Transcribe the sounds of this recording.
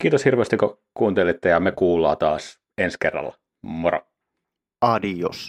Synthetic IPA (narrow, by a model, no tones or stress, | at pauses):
kiːt̪oshirʋeːˑst̪ikːo | kuːnt̪elit̪ːejɑmekuːlːˑɑ̰ːt̪ɑːs | enskerːɑ̰lːɑ | moɾɑ̰ | ɑdios